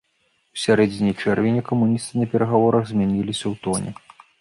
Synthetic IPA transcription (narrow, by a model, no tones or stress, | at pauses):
usʲaɾɛd͡zʲinʲɛjt͡ʂɛrvʲenʲɐkɐmunʲist̪ɨnɐpʲɛɾɐɣavɔɾɐɣzʲmʲanʲilʲisʲɐwt̪ɔnʲɛ̰